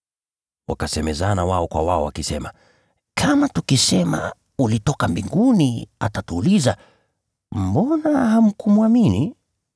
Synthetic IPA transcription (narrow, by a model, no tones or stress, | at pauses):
wakasɛmɛzanawaɔkwa̰waɔwakisɛma | kʰamatukisɛma̰ | ulitɔkambiŋɡuniatatuːliza | m̩bɔnaham̩kumuamini